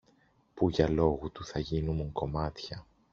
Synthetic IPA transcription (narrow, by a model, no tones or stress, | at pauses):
puʝɐlo̞ɣut̪uθɐʝinumuŋko̞mɐt̪çɐ